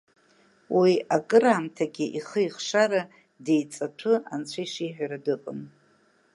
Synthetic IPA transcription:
wiakʼɨɾaːmtʰaɡʲɪʔiχəiχʂaɾa | de̞jt͡sʼaʈ͡ʂʰɨant͡ɕʷʰajʂiːħʷᶣaɾadɨqʼɨm

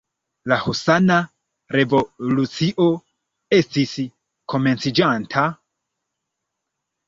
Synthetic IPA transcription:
lahusana | ɾe̞vo̞lut͡siʔo̞ | e̞stis | kʰo̞me̞nt͡sid͡ʒantʰa

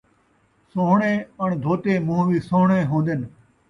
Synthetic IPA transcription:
soːɳẽːəɳd̪ʱoːt̪eːmũːʋiːsõːɦɳeːɦõːnd̪en

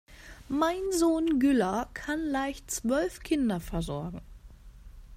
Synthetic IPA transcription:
maɪnzoːnɡʏlɐkʰanlaɪçt͡sv̥œlfkʰɪndɐfɛɐzɔɐɡŋ̩

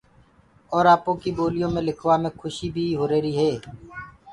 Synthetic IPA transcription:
ɔːɾaːpõːkiːboːlɪjõːmẽːlɪkʰʋaːmẽːkʰʊʃiːbʱiːɦoːɾeːɾiːɦeː

